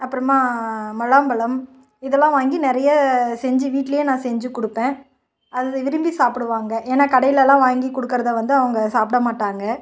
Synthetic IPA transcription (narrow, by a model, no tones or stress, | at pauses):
ɐpːɯɾɐmaːmɐlaːmbɐɭɐm | ɪðɛlːãːʋaːŋɡinɪɾɐjɐsɛɲd͡ʒɯʋiːʈːɪlɐjeːnãːsɛɲd͡ʒɯkʊɽɯpːẽː | ɐðɯɪʋɪɾɯmbisaːpɪɽɯʋaːŋɡɐʔeːnːaːkɐɽɐjɪlɛlːãːʋaːŋɡikɔɽɯkːɪɾɐðɐʋɐnd̪ɯɐʋɐŋɡɐsaːpɽɐmaːʈːaːŋɡɐ